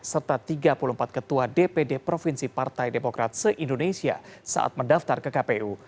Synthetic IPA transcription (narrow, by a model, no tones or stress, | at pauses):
sərt̪at̪iɡapuluəm̩pat̪̚kət̪uadepedepɾofinsipart̪ajdemokɾat̪̚səʔindonesia̰sa̰ʔa̰t̪̚mədaft̪arkəkapeʔu